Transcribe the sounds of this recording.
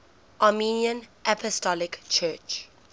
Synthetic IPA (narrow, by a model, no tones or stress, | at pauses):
ʔaminiə̃nʔapʰɔstɔlɪkt͡ʃʰɜːt͡ʃ